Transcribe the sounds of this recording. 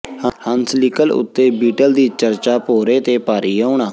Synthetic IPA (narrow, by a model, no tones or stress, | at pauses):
əhənsliːkəlʊ̰t̪ːeːbiːʈəld̪iːt͡ʃəɾt͡ʃaːpoːɾeːt̪eːpaːɾiːaːʊɳãː